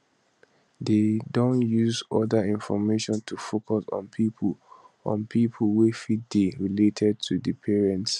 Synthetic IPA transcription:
dedõnjuzɔdaĩnfɔmeʃɔ̃ntʰufokʰɔsɔ̰̃npʰipʰulɔ̰̃npʰipʰəlwefideɹiletʰɛd̚tʰudəpʰɛɹɛ̃nts

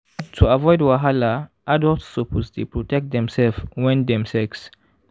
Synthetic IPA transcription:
tʰuavɔjdwaɦalaʔadɔltsːɔpʰosdepɹɔtɛk̚t̚d̪ɛ̃msɛlfwɛ̃ndɛ̃msɛks

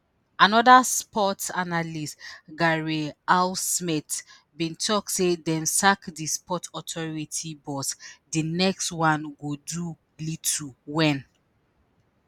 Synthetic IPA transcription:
anɔdaspɔtanalistɡaɹialsmit | bĩntʰɔk̚tsedɛ̃nsakdispʰɔtɔtʰɔɹitʰibɔtdinɛkstwãnɡodu | lit̩ʰwɛ̃n

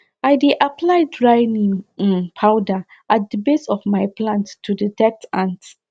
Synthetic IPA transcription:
ʔajdeʔapʰlajdɹajnĩŋĩnpʰaʊdaʔat̚dəbesɔfmajplãntːudədɛtãnt

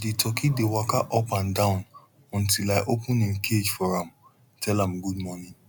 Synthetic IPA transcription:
detɔkidewakaʔɔpãndãʊ̃n | ɔ̃ntilaɪʔopũnĩnkʰed͡ʒfɔɾãm | tʰɛlãm̩ɡudmɔ̃nĩ

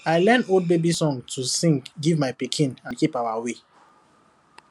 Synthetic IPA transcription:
aɪlɛ̃nold̚bebisɔ̃ŋtʰusĩŋkɡivmaɪpikʰĩnãnkipawawe

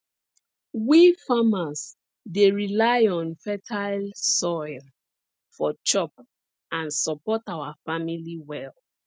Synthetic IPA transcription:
wifamas | deɹilajɔ̃nfɛtʰalsɔɪl | fɔt͡ʃɔp̚ | ãnsɔpɔtawafamiliwɛl

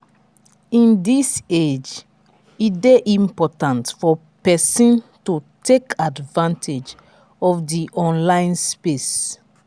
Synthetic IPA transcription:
ĩndised͡ʒ | ideʔĩmpɔtãntfɔ | pɛsɔ̃ntutekadvãntʰed͡ʒ | ɔfdiʔɔ̃nlãɪ̃nspes

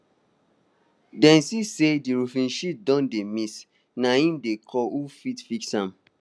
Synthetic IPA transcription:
dɛ̃nsisediɾufĩnʃit̚dɔ̃ndemis | naĩmdekʰɔʔufitfiksãm

